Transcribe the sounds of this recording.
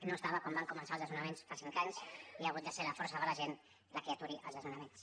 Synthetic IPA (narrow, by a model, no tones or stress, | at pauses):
noəst̪aβəkwɔmbaŋkumənsalzðəzunəmensfasiŋkaɲsiaɣut̪d̪əseləfɔɾsəðələʒen | lakeat̪uɾiʔə̰lˠzðəzunəmens